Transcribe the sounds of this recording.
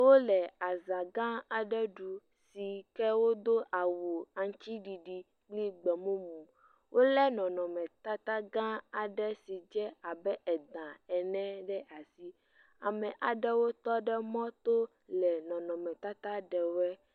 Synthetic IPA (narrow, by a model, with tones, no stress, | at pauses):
wo˦lɛ˨a˨zã˨ɡã˦a˨ɖɛ˦ɖu˨ | si˨kɛ˦wo˦d̪o˦ʔa˨wo˨a˨ŋ˦t͡ʃi˦ɖi˨ɖi˨ | ɡ͡bli˦ɡ͡bɛ˨mũ˦mũ˨ | wʔo˦lɛ˦nɔ̃˨nɔ̃˨mɛ̃˨t̪a˦t̪a˦ɡã˦a˨ɖɛ˦si˨d͡ʒɛ˦a˨bɛ˦ʔɛ˨d̪ã˨ɛ˨nɛ̃˦ɖɛ˦ʔa˨si˦ | a˨mɛ̃˨ʔa˨ɖɛ˦wo˦t̪ɔ˦ɖɛ˦mɔ̃˦t̪o˦ | lɛ˨nɔ̃˨nɔ̃˨mɛ̃˨t̪a˦t̪a˦ɖɛ˨wo˦ɛ˦